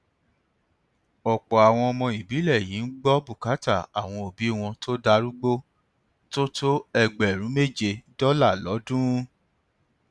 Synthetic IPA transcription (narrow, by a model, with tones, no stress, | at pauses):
ɔ˨k͡pɔ˨a˨w̃ɔ̃˧ɔ˧mɔ̃˧i˨bi˨˦lɛ˦˨jĩ˨˦n̩˦ɡ͡bɔ˦bu˦˨ka˨˦ta˦˨a˨w̃ɔ̃˧o˨bi˨˦w̃ɔ̃˧tʰo˦da˧ɾu˦ɡ͡bo˦ | to˦tʰo˦ɛ˧ɡ͡bɛ˨ɾ̃ũ˨˦me˦˨d͡ʒe˧dɔ˦la˦˨lɔ˨˦dũ˦